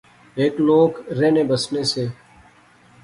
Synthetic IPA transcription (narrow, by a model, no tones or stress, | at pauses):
eːkloːkɾeːnẽːbəsneːseː